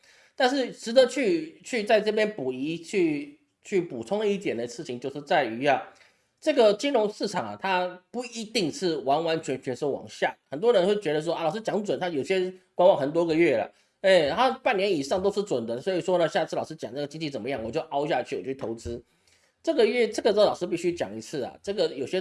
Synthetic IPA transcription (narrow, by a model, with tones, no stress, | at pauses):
t̪a˥˧nʂɻ̩˥˩ʂɻ̩˧˥d̪ə˨t͡ɕʰy˥˧t͡ɕʰy˥˧t͡sa˥˧ɪʈ͡ʂɤ˥˩p̬jɛ˥npu˨˩i˧˥t͡ɕʰy˥˧ | t͡ɕʰy˥˩pu˨˩t͡sʰʊ˥ŋd̪ə˧i˥˩t̪jɛ˨˩nd̪ə˦ʂɻ̩ʰ˥˩i˨˦ŋt͡ɕjo˥˧ʊʂɻ̩˥˧t͡sa˥˩ɪy˧˥a˨˩ | ʈ͡ʂɤ˥˩ɡə˨t͡ɕi˥nɻʊ˧˥ŋʂɻ̩˥˩ʈ͡ʂʰɑ˨˩ŋa̰˩t̪ʰa˥pu˥˩i˧˥t̪i˥˧ŋʂʰɻ̩˥˩wa˧˥nwa˧˥nt͡ɕʰɥɛ˧˥nt͡ɕʰɥɛ˧˥nsɔ˥˩wɑ̰˨˩ŋɕja˥˩xə˨˩nt̪wɔ˥ɻə˧˦nxwe˥˩ɪt͡ɕɥɛ˧˥d̪ə˧˩wɔ˥˧˩lʊʂ̩˥t͡ɕjɑ˧˥ŋt͡swə˨˩nt̪ʰa˥jo˨˩ʊɕjɛ˥kwa˥nwɑ˨˩ŋxə˨˩nt̪wɔ˥ɡə˨ɥɛ˥˩lə̰˩ | ɛ˥˩t̪ʰa˥pa˥˩njɛ˧˥ni˨˩ʂɑ˥˩ŋt̪o˥ʊʂ̩˥˩ʈ͡ʂwə˨˩nd̪ə˦swɔ˧˥i˨˩ʂwɔ˥nə˨ɕja˥˧t͡s̩ʰ˥˩lɑ˨˩ʊʂ̩˥t͡ɕjɑ̰˨˩ŋna˥˩ɡə˩t͡ɕi˥ŋt͡ɕi˥˩t͡sə˨˩mə˦jɑ˥˩ŋwɔ˨˩t͡ɕjo˥˩ʊʔɑ˥ʊɕ̬ja˥˧˨t͡ɕʰy˥˩˨t͡ɕʰy˥˩t̪ʰo˧˥ʊt͡sɹ̩˥ | ʈ͡ʂɤ˥˩ɡə˨ɥɛ˥˧ʈ͡ʂɤ˥˩ɡə˩t͡slɑ˨˩ʂɻ̩˥pi˥˧ɕy˥t͡ɕjɑ̰˨˩ŋi˧˥t͡sʰɹ̩˥˩ɐ̰˩ʈ͡ʂɤ˥˩ɡə˩jo˨˩ʊɕjɛ˥